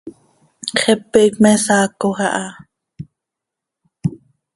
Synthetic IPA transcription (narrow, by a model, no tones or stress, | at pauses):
χɛpːɛkmɛsaːkoχaʔɑ